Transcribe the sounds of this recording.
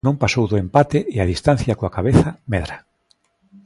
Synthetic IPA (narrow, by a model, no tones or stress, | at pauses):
nõŋpasowðʊempat̪eʔɪaðist̪ãn̟θjakoakaβeθamɛðɾa